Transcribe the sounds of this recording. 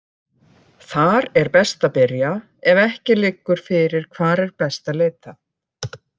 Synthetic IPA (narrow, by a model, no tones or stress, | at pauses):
θaɾɛɾpɛst̪apɪɾja | ɛvɛhcɪlɪkːʏɾ̥fɪɾɪɾ̥kʰvaːɾɛɾpɛst̪aleːjt̪a